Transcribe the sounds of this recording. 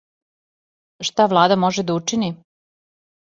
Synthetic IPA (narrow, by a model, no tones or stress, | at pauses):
ʃt̪aʋlˠaːd̪amoʒed̪aut͡ʂini